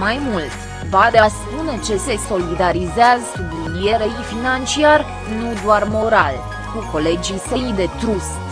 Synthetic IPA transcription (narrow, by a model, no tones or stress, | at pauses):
majmult̪ʲ | bad̪easpune̞t͡ʃe̞se̞so̞lid̪aɾizeazəkubilieɾeifinant͡ʃiar | nud̪oarmo̞ɾal | kuko̞le̞d͡ʒiseid̪e̞t̪ɾus